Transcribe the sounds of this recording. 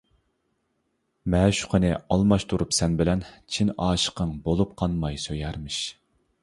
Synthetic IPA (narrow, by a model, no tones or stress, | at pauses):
mɛʃu̥qʰənɨɑlˠmɑʃt̪ʰuɾupsɛnbɪlɛnt͡ʃʰinɑːʃə̥qʰəŋbolˠup̚qʰɑnmɑjsøjɛɾmɪʃ